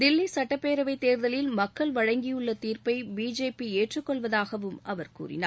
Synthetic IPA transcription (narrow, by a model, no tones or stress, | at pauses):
d̪ɪlːisɐʈːɐpːeːɾɐʋɐɪt̪ːeːɾðɐlɪlmɐkːɐɭʋɐɻɐŋɡɪjɯɭːɐt̪iːɾpɐɪbiːd͡ʒeːpieːʈrɯkːɔɭʋɐðaːɣɐʋɯmʔɐʋɐɾkṵːrɪ̰na̰ː